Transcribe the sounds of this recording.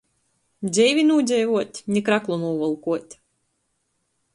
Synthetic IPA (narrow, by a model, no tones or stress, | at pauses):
zʲɛjvʲinuːd̪ʲɛjvuɔt̪ʲnʲikɾaklˠɔnuːvɔlˠkuɔt̪ʲ